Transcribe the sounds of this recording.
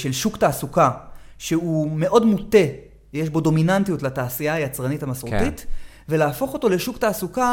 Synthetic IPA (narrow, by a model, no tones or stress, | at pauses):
ʃe̞lʃuktaːsuka | ʃeume̞ʔo̞dmute̞ | jeʃbo̞do̞minantijutlataːsiaːjat͡sʁanitamasʁotit | ve̞laːfo̞χo̞to̞le̞ʃuktaːsuka